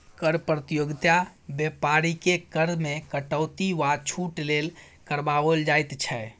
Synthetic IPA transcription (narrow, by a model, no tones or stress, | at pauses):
kəɾpɾət̪ijoɡt̪abjepaɾikekəɾmekəʈəːt̪iʋat͡ʃʰuʈlel | kəɾbaʋəld͡ʒajt̪t͡ʃʰɛ